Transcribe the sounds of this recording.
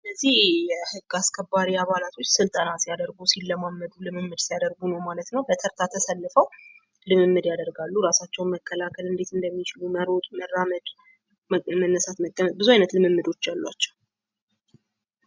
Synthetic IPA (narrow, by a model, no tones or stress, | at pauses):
ɨlːəzːihjɛhɨɡːaskʰəbːaɾiaβalat̪ʰo̞t͡ʃːsɨlt̪ʼənasijad̪əɾɡusilːəmamːəd̪ulɨmɨmːɨd̪sijad̪əɾɡunəwmalət̪nəwbət̪ʰəɾt̪ʰat̪ʰəsəlːɨfəw | lɨmɨmːɨd̪jad̪əɾɡalːuɾasat͡ʃːɛwnməkʰːəlakʰəlɨnd̪e̞t̪ɨnd̪əmːit͡ʃɪluməɾɔt̪ʼuməɾːaməd̪ | mənːəsat̪məkʼːəmət̪̚bɨzuajnət̪lɨmɨmːɨd̪o̞t͡ʃːjalːwa̰t͡ʃːɛw